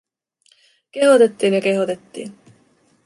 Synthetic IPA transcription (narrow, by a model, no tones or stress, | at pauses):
k̟eɦot̪et̪ːiːnjɑke̞ɦot̪e̞t̪ːḭːn